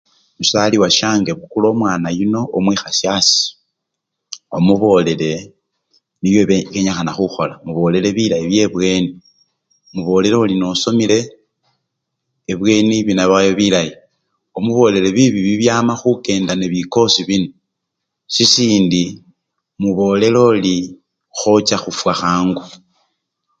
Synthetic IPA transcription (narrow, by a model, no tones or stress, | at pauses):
musaliwaʃaːŋɡeβukulo̞ːmwaːnajuno̞ʔːmwiːxasjasi̥ | omuβo̞ːle̞le̞ | βijo̞ββeɲaxanaxuxo̞lamuβo̞ːle̞le̞βilajiβje̞βwe̞ːni | muβo̞ːle̞ɾeulino̞so̞mile̞ | βwe̞ːniβinaβajoβilaji | o̞muβo̞ːle̞le̞βiβiβiβjaːmaxuke̞ːndaneβiko̞siβino | sisiːndi | muβo̞ːle̞lo̞li | xo̞t͡ʃaxufwaxaːŋɡu